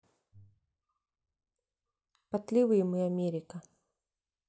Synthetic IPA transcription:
pɐt̪lʲivɨjɪmɨamʲeɾʲɪkə

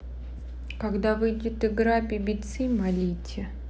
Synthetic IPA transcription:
kaɡd̪avɨjdʲɪt̪ɪɡɾapʲɪbʲɪt̪sɨmɐlʲitʲɪ

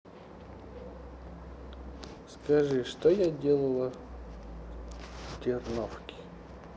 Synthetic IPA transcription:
skɐʐɨʂt̪ojadʲelˠəlˠə | tʲɪrnofkʲɪ̥

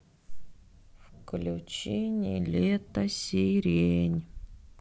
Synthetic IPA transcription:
fklʲut͡ɕenʲḭlʲet̪ɐsʲiɾʲenʲ

